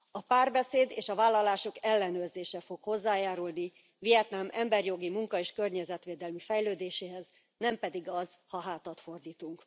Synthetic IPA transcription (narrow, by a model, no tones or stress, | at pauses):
ɒpaːrbɛseːd̪eːʃɒvaːlːɒlaːʃo̞kɛlːɛnøːrzeːʃɛfo̞kho̞zːaːjaːɾulni | vijɛt̪namɛmbɛrjo̞ɡimuŋkɒeːʃkørɲɛzɛt̪ʋeːd̪ɛlmifɛjløːd̪eːʃeːɦɛz | nɛmpɛd̪iɡɒzhɒɦaːt̪ɒt̪fo̞rd̪iːt̪uŋk